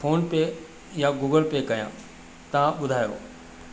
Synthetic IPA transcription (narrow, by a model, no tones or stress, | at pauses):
foːnpe | jaɡuːɡəlpekɐjã̰ː | t̪ɐʋãɓʊd̪ʱaːjo̰ː